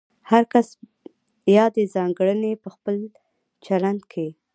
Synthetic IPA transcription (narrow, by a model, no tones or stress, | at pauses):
haɾkas | jɑd̪ezɑŋɡɽənepəxpəl | t͡ʃaland̪kʰe